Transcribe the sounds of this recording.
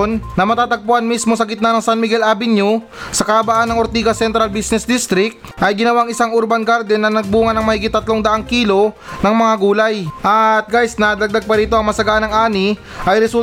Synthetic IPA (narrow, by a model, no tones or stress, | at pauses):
nːɐmɐt̪aːt̪ɐɡ̚pʊʔanmismo̞sɐɡɪt̪̚nanɐŋsanmɪɡɛlabɪnju | sɐkɐɐbaʔanːɐŋʔoɾt̪iːɡɐsɛnt̪ɾɐlbisnɛsd̪ist̪ɾɪk̚t̪̚ʔɐjɡɪnɐwaɐŋɪsaŋʔuɾbanɡaɾd̪ɛnːɐnɐɡ̚buːŋɐnɐŋmɐhiːɡɪt̪ːɐt̪loŋd̪ɐʔaŋkiːlo̞nɐŋmɐŋaɡuːlɐjʔɐt̪̚ɡajsnɐd̪ɐɡ̚d̪aɡ̚pɐɾiːt̪o̞ʔɐŋmɐsɐɡaʔanɐŋʔaːni | ʔɐjɾɛsu